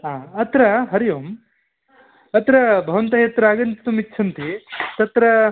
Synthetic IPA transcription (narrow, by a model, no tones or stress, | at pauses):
ɦaːɐt̪ɾɐɦɐɾijoːm | ɐt̪ɾɐbʱɐʋɐnt̪ɐɦet̪ɾaːɡɐnt̪it̪umitːt͡ʃʰɐnt̪ʰit̪ɐt̪ɾɐ